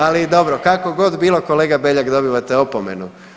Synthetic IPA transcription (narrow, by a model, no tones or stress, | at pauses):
alid̪o̞bɾokako̞ɡo̞d̪biːlˠo̞ko̞leːɡabeʎakd̪o̞biʋat̪eo̞pomenu